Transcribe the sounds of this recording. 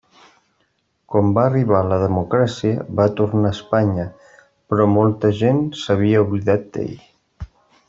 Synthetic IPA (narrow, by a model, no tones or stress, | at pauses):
kɔmbaːriβaləðəmukɾasiəβat̪uɾnaəspaɲə | pɾɔmolˠt̪əʒensəβ̞iəuβliðat̪̚d̪̥ḛʎ